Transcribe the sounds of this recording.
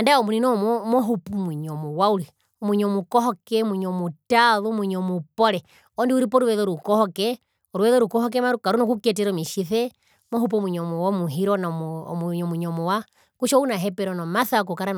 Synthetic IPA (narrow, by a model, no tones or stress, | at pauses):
andaɔmuninɔmɔmɔɦupumwiɲɔmuwauɾi | ɔmwiɲɔmukɔɦɔkɛmwiɲɔmutaðumwiɲɔmupɔɾɛ | ɔndiuɾipɔɾuwɛðɔɾukɔhɔkɛ | ɔɾuwɛðɔɾukɔhɔk̬ɛmaɾukaɾunɔkukɛtɛɾɔmiʃiθɛ | mɔɦupɔmwiɲɔmuwamuɦiɾɔna̰muɲɔmwiɲɔmɔwa | kuʃɔunaɦɛpɛɾɔnɔmaθakukaɾan